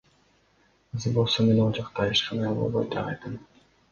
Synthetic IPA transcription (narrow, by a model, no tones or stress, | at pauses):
ɯzɯbo̞lˠsome̞no̞lˠd͡ʒɑqt̪ɑiʃqɑnɑobolˠbojd̪eɑ̰jt̪ɯm